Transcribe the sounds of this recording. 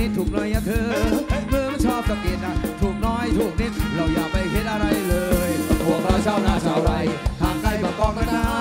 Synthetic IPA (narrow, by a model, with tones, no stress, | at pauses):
i˧˦˥t̪t̪ʰuː˨˩k̚nɔː˦˥jʔa˧˩t̪ʰɤː˧mɯ˧˥əmaː˧˥˩nt͡ɕʰɔː˧˩p̚ka˨˧˩p̚ki˨˩ən̚ɗa˨˩ŋt̪ʰu˨˩k̚nɔː˦˥jt̪ʰuː˨˧˩ək̚ni˦˥t̪̚ɾa˧˩wjaː˨˩mpa˧˩jɦe˦˥t̪̚ʔa˧ɾa˧jlɤː˧jhu˨˩ək̚ɾa˧˩wt͡ɕʰaː˧˩wnaː˨˧˩t͡ɕʰaː˨˦˩wɾa˧˩jt̪ʰaː˨˩ŋt̪a˧˩jpaː˨˧˩kɔː˧˩nka˧˥˩naː˧˩